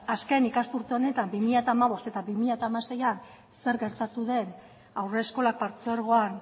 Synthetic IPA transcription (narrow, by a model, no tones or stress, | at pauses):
askenikast̪uɾt̪e̞o̞ne̞t̪ambimiʎat̪aːmaβ̞o̞st̪e̞t̪aβimiʎat̪aːmase̞jan | se̞ɾɣe̞ɾt̪at̪uðe̞n | awre̞sko̞lak̚paɾt͡soeɾɣ̞o̞an